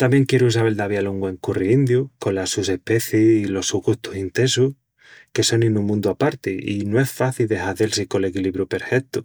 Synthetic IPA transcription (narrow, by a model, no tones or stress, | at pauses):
t̪amje̞ŋkje̞ɾuus̬aβe̞ld̪aβjaloŋɡwe̞ŋkuriind̪juko̞nlasuse̞hpe̞θjeilo̞suɣuht̪usint̪e̞suh | ke̞so̞ninũŋmũnd̪uapaɾt̪eḭnoe̞sfaθild̪e̞ɦaðe̞lsiko̞le̞kiliβɾupe̞ɾfe̞k̚t̪u